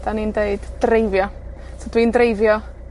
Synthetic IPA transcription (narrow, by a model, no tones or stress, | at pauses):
d̥anindeɨdd̥rejvjɔ | sod̥wiːndrejvjɔ